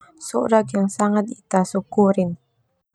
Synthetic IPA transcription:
sʊ̰ʔɾaɡjaŋsaŋad̪it̪asʊkuɾɪn

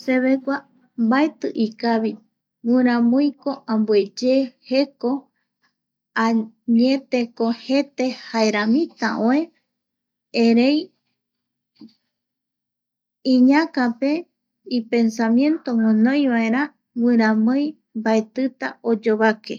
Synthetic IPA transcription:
se̞βe̞kʷa | mbaet̪ɨʔikaβi | wɨ̃ɾ̃ãmõjko̞ʔãmbue̞d͡ʒehe̞ko̞ | a | ɲẽ̞t̪e̞kohe̞t̪e̞haeɾamĩt̪aʔõẽ | eɾe̞j | ĩɲãkape̞ | ipe̞nsamjẽ̞nt̪o̞ŋõnõjβae̞ɾã | wɨ̃ɾ̃ãmoj | mbaet̪ɨt̪ao̞d͡ʒoβake̞

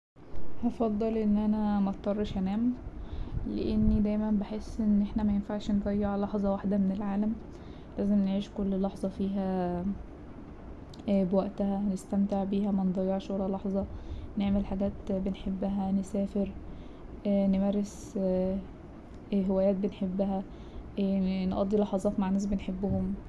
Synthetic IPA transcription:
hɑfɑd̪ˤːɑlʔenːʔænæmæt̪t̪ːˤɑrˤːɑʃʔænæːm | lḛʔenːid̪æjmænbeħesːʔenːʔeħnæmæjenfaʕʃned̪ˤɑjːeʕlɑħzˤɑwaħd̪æmenelʕaːlæm | læːzemneʕiːʃkolːlɑħzˤɑfiːɦæ | bewæʔt̪æhænest̪æmt̪eʕbiːhæmænd̪ˤɑjːeʕʃwælælɑħzˤɑneʕmelħaɡæːt̪benħebːæɦænesæːfeɾ | ænemæɾes | ɦewæjæːt̪̚benħebːæhæ | nʔɑ̰d̪ːilɑħɑzˤɑːt̪maʕnæːs̬benħebːohom

